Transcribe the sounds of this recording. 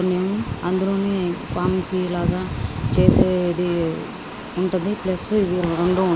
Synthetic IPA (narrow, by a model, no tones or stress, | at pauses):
neːmuɐnd̪ulo̞ːne̞ːpʰaːmsilaːɡaːt͡ʃeːseːd̪i | uɳʈund̪iplɐsuiʋiːɾɾoɳɖoːuɳ